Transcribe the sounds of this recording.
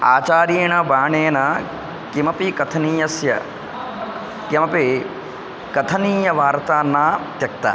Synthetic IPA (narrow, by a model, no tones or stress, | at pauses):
a̰ːt͡ʃaːɾjeːɳɐbaːɳeːnɐ | kimɐpikɐt̪ʰɐniːjɐsjɐ̰ | kɐmɐpi | kɐt̪ʰɐniːjɐʋaːɾt̪aːnːaːt̪jɐk̚t̪a̰